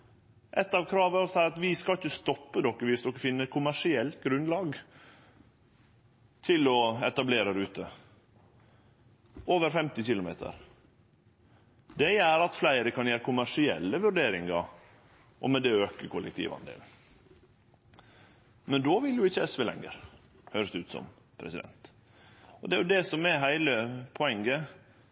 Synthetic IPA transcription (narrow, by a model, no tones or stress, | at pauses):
ʔɛt̪ːɑʋkʰɾɑːʋæɾɔsæɾɑt̪ʋɪskɑlɪçːəst̪ɔpːəd̪ɔkːəʋɪsd̪ɔkːəfɪnːəɛt̪̚kʰʊmæʂɪɛlt̪ɡɾʉnlɑːɡ | t̪ʰɪlɔɛt̪ɑbleːɾəd̪ʉːt̪ə | oːʋəɾfɛmt̪ɪçɪlʊmḛːt̪ʰə̰ɾ | d̪ɛjæːɾɑt̪flæɪɾəkʰɑnjæːɾəkʰʊmæʂɪɛlːəʋʉɾɖeːɾɪŋɑ | ʔɔ̰mɛd̪ɛøːkəkʰʊlɛkt̪ʰḭːʋɑ̰nd̪ḛːln | mɛnd̪oːʋɪljʊɪçːəɛsʋeːlɛ̰ŋːə̰ɾ | høːɾəsd̪ɛʉːt̪sɔ̰m | pʰɾɛsɪd̪ɛ̰nt̪ | ɔd̪ɛæɾjʊd̪ɛsɔmɛɦæɪləpʰɔɛŋːə